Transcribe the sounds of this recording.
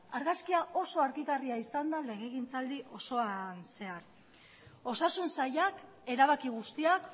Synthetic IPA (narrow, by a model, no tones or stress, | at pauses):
aɾɣaskiaʔo̞so̞aɾɣiɣariaisand̪ale̞ɣ̞e̞ɣint͡sald̪iʔo̞so̞anse̞aɾ | o̞sasunsajak | e̞ɾaβakiɣ̞ust̪iak